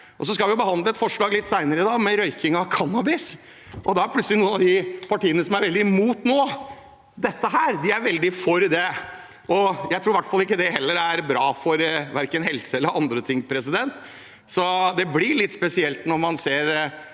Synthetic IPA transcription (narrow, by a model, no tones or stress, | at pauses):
ʔɔsɔskɑlʋɪjʊbəhɑnd̪ləɛt̪fɔʂɭɑːɡlɪt̪ːsæɪnəɾəɪd̪ɑːɡmɛɾœʏkɪŋɑkʰɑnːɑbɪs | ʔɔd̪ɛæɾpʰlʉt̪səlɪnuːənɑd̪ɪpʰɑʈiːənəsɔmæɾʋɛld̪ɪmuːt̪noː | d̪ɛt̪ːəɦæːɾd̪ɪæɾʋɛld̪ɪfɔɾd̪ɛ | ɔjæɪɾuːɾʋæʈfɑlːɪkːəd̪ɛhɛlːəɾæɾbɾɑːfɔɾʋæɾkənɦɛlsəɛlːəɾʔɑnd̪ɾət̪ʰɪŋːpʰɾɛsɪd̪ɛnt̪ | sɔd̪ɛblɪɭɪt̪ːspɛsɪɛlt̪nɔɾmɑnseːɾ